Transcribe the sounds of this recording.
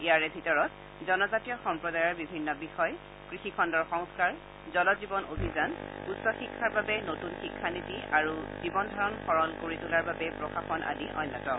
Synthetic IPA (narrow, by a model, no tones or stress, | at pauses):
ijaɹɛbʱitɔɹɔt̚ | zɔnɔzatijɔxɔmpɹɔdajɔɹbibʱinːɔbixɔj | kɹixikʰɔndɔɹxɔŋskaɹ | zɔlɔzibɔnʔobʱizanutsɔxikʰːaɹbabɛnotunxikʰːanitiaɹuzibɔndʱɔɹɔnxɔɹɔlkoɹitulaɹbabɛpɹɔkaxɔnʔa̰liʔɔ̰jnːɔtɔ